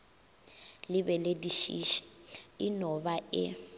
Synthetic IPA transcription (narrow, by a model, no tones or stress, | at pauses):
lɪbɛlediʃḭʃi̥ɪnɔbaʔɪ